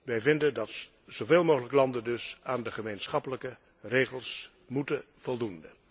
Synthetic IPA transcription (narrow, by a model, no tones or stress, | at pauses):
ʋɛjvɪndəndɑt | z̥owveːlˠmoːɣələkəlɑndəndɵsaːndəχəmejnsχɑpələkə | rejχəlˠs | mutə | v̥ɔlˠdundə